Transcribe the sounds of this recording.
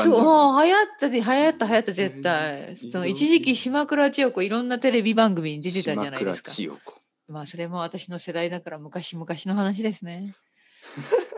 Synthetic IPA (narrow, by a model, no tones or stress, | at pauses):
soohajat̪ːad̪eɦajat̪ːaɦajat̪ːaze̞t̪ːaisono̞it͡ɕiʑikʲiɕimakɯ̟ɾat͡ɕijo̞koiɾõ̞nːat̪e̞ɾe̞bʲibãŋɡɯ̟mʲiɲ̟id̪e̞t̪e̞t̪ãd͡ʑanaiesɨ̥ka̰̥ | maːso̞ɾe̞mo̞β̞at̪aɕino̞se̞d̪aid̪akaɾamɯ̟kaɕimɯ̟kaɕino̞ɦanaɕ̬id̪e̞sɨne̞